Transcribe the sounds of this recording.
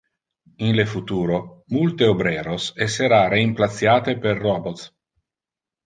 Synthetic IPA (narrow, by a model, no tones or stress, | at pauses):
inlefut̪uːɾomult̪eobɾɛːɾosɛsːeɾareimplat̪sjaːt̪eperːɔbot̪s